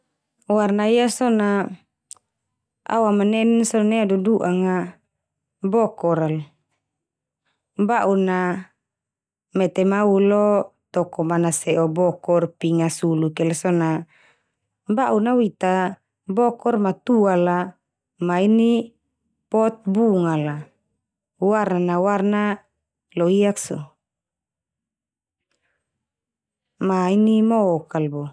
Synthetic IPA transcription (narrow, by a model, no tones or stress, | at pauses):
warnaiasɔna | a̰wamanɛnsɔnneaduduʔaŋa | bɔkɔɾal | baʔuna | mɛt̪ɛmaulɔt̪ɔkɔmanasɛʔɔbɔkɔrpiŋasulukɛlsɔna | baʔunawit̪a | bɔkɔrmat̪uala | maini | pɔt̪̚buŋala | warnanawarna | loiakso | mainimokalbo